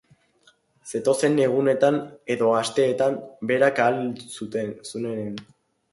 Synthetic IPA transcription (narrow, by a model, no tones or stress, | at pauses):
se̞t̪o̞se̞ne̞ɣ̞une̞t̪ane̞ðo̞ast̪e̞ːt̪ambe̞ɾakalsut̪e̞nsune̞nen